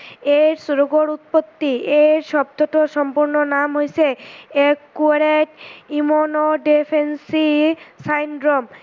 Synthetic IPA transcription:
eɾsuɾoɡoɾut̪̚pot̪ːieɾʃɔbd̪ɔtoʃɔmpuɾnonamɦojseekːuɾeʈimonoɖepʰensisajnɖɾom

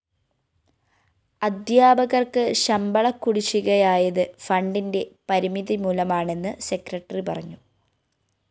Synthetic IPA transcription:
ɐd̪jaːbɐɣɐrkɨɕɐmbɐɭɐkːuɽit͡ɕːuɣɐjaːjɐðɨfɐɳɖinde̞pɐɾimiðimuːlɐmaːɳe̞nːɨse̞krɐʈːɐripɐrɐɲːu

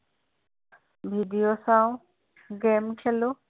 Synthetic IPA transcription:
bʱiɖijosãũ | ɡeːmkʰiəlo

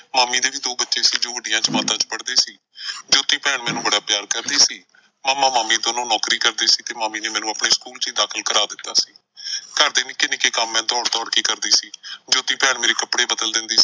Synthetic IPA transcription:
maːmiːd̪eːʋiːd̪oːbətːʃeːsiːd͡ʒoːʋəɖɪjãːt͡ʃmãːt̪ãːt͡ʃpəɽd̪eːsiː | d͡ʒoːt̪iːpɛːɳmɛ̃ːnũːbəɽaːpjaːɾkəɾd̪iːsiː | maːmːãːmaːmiːd̪oːnõːnɔːkɾiːkəɾd̪eːsiːt̪eːmaːmiːneːmɛːnũːəpɳeːskuːlt͡ʃiːd̪aːkʰəlkəɾaːd̪ɪt̪ːaːsiː | kəɾd̪eːnɪkːeːnɪkeːkəmːɛ̃ːt̪ɔːɽt̪ɔːɽkiːkəɾd̪iːsiːd͡ʒoːt̪iːpɛːɳmeːɾeːkəpɽeːbəd̪əld̪ɪnd̪iː

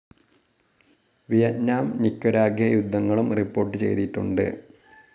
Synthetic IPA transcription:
ʋijɐtnaːmnikːoɾaːɡʱjɐjud̪ʱːɐŋːɐɭumripːo̞ːrʈːɨt͡ɕe̞̰jt̪iʈːṵɳɖɨ̰

